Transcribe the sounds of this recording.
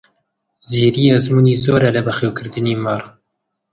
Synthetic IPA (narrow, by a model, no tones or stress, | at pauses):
ziːɾiːɛzmuːniːzoːɾɛlɨbɨxewkɨɾd̪ɨniːmɑrˤ